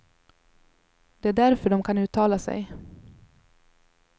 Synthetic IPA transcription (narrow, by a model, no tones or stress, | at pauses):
d̪̥ɛæɖæɾfœɖɔmkʰanʉ̟ːt̪ʰːɑːlasɛ̰j